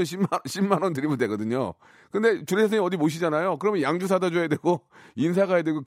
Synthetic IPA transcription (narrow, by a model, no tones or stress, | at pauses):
ɕʰimːɕʰimanont̬ɯɾimɯndwe̞ɡʌdɯɲo̰ | kɯnde̞t͡ɕuɾesʰasʰeŋiʌdimoɕ̬ʰid͡ʑanajok̬ɯɾʌmjʌnjaŋd͡ʑus̬ʰadad͡ʑoedweɡo | ins̬ʰaɡajedweɡok